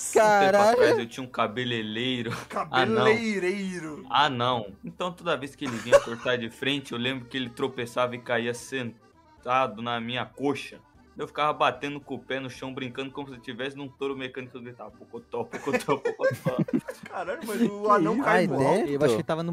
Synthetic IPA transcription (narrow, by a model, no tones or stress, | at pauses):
kaɾaajewt͡ʃĩɲɐũkabelelejɾʊkabanlɐ̃ẽɾejɾʊanɐ̃w̃ẽnt̪ɐ̃w̃t̪od̪ɐveskɪelɪvĩɲɐkoɾt̪aɾd͡ʒɪfɾẽnt͡ʃɪewlẽmbɾʊkɪelɪt̪ɾopesavɐɪkaiɐsẽnt̪ad̪ʊnɐmĩɲɐkoʃɐ̃ | ewfi̥kavɐbat̪ẽnd̪ʊkopɛnʊʃɐ̃w̃bɾĩkɐ̃nd̪ʊkõmʊsɪt͡ʃivɛsɪnũt̪oɾʊmekɐ̃nikʊɡɾit̪avɐpokot̪ɔpokot̪ʰɔpokot̪ɔkaɾɐ̃ɡʊmɐzaɐ̃w̃kaɛewaʃkkɪt̪avɐnʊ̃